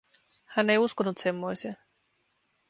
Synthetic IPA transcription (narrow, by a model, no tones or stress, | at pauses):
hænːe̞juskonut̪semːoijseː